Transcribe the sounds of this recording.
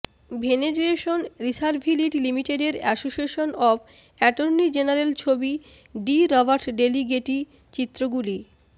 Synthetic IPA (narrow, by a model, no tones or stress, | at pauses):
bʱened͡ʑoeʃonɾisaɾbʱiliʈilimiʈeɖeɾɛsoʃieʃonɔb | ɛʈoɾnid͡ʑenaɾelt͡ɕʰobi | ɖiɾɔbaɾʈɖeliɡeʈi | t͡ɕit̪ːɾoɡuli